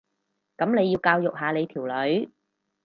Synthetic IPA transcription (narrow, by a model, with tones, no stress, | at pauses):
kɐ˨˥mne˨˧jːiː˧wkaː˧wjʊ˨k̚ɦaː˨˧le˨˧jt̪ʰiː˨˩wlɵ˨˧˥ɥ